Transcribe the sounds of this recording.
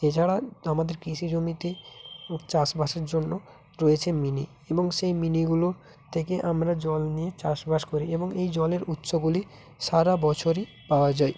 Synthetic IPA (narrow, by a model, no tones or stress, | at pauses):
et͡ɕʰaɽaamad̪eɾkɾiʃid͡ʑomit̪e | t͡ɕaʃbaʃaɾd͡ʑonːo | ɾɔet͡ɕʰeminḭ | eboŋʃejminiɡulo | t̪ʰekeʔamɾad͡ʑɔlnijet͡ɕaʃbʱaʃkoɾieboŋejd͡ʑɔleɾut̪ːʃoɡuli | ʃaɾabɔt͡ɕʰoɾi | paoad͡ʑae